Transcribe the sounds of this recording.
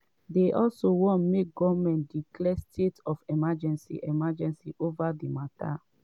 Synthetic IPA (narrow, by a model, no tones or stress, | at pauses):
deʔɔlsowɔ̃nmek̚ɡɔvmɛ̃nt̚diklɛstʰetɔfɛmad͡ʒɛ̃nsḭʔɛmad͡ʒɛ̃nsiʔovadimatʰa̰